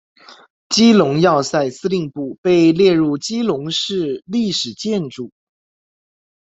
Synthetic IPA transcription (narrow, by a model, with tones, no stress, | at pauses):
t͡ɕi˥lʊ˧˥ŋjɑ˥˧ʊsa˥˩ɪsɹ̩˥li˥˧ŋpu˥˩pe˥˧ɪljɛ˥˧ɻu˥˩t͡ɕi˥lʊ˧˥ŋʂɻ̩˥˧li˥˩ʂɻ̩˨˩t͡ɕjɛ˥˧nʈ͡ʂu˥˩